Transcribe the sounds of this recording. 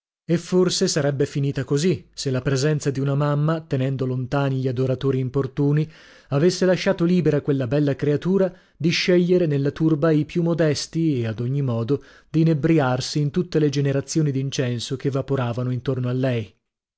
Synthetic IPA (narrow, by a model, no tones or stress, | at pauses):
efːorsesaɾɛbːefiniːt̪akoziselːapɾezɛnt̪sad̪iunamamːat̪enɛnd̪olont̪aːniʎiad̪oɾat̪oːɾiːmport̪uːni | avesːelaʃːaːt̪oliːbeɾakwelːabɛlːakɾeat̪uːɾa | d̪iʃːeʎːeɾenelːat̪urbaipjumːod̪ɛst̪iead̪oɲːimɔːd̪o | d̪̥inebɾiarsiːnt̪ut̪ːeled͡ʒeneɾat̪sːjoːnid̪int͡ʃɛnsokevːapoɾaːvanoint̪ornoalːɛj